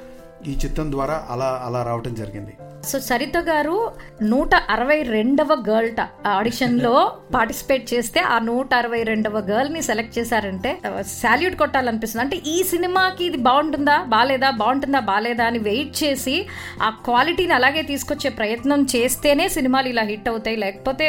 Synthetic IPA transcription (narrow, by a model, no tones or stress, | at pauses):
iːt͡ʃit̪ːɐnd̪ʋaːɾaːʔɐlaːɐlaːɾaːʋɐʈɐmd͡ʒɐɾiɡind̪i | so̞ːsɐɾit̪ɐɡaːɾunuːʈɐʔɐɾɐʋɐjɾeɳɖɐʋɐɡɐːɾlʈɐɐɽiʂɐnlo̞ːpaːɾʈi̥si̥pe̞ːʈ̚t͡ʃe̞ːst̪e̞ːʔaːnuːʈɐɐɾɐʋɐjɾe̞ɳɖɐʋɐɡɐːɾlniselek̚ʈ̚t͡ʃɛːsaːɾɐɳʈe̞ːsaːljuːʈkɔʈːaːlɐnipist̪unɐɳʈe̞ːʔiːsinimaːkiːd̪ibaːwɳʈund̪aːbaːlɛːd̪aːbɐːwuɳʈund̪aːbaːlɛːd̪aːɐniʋejʈ̚t͡ʃe̞ːsi | aːkʋaːliʈiːniɐlaːɡe̞ːt̪iːsu̥kot͡ʃːe̞ːpɾɐjɐt̪nɐmt͡ʃe̞ːst̪e̞ːne̞ːsinimaːluilaːɦiʈːɐwut̪aːjilɛːkɐ̥po̞ːt̪e̞ː